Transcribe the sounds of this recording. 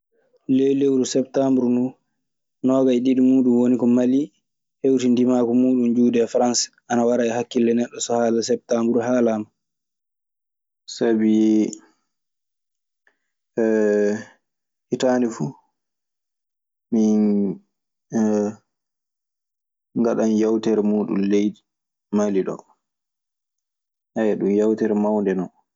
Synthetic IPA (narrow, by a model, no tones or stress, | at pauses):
lejlewɾusɛptambɾunu | nɔːɓaɛɗiɗimuːɗumwonikɔmali | hewtindimaːkɔmuːɗund͡ʒuːdɛfɾansʔanawaɾaɛhakːilːɛnɛɗːɔsɔhaːlasɛp̚tambɾuɦaːlama | sabi | hitaːnɛfuː | min | ŋɡaɗanjawtɛɾmuːɗṵnlejdi | maliɗɔ̰ | hajaɗumjawtɛɾmawndɛnɔ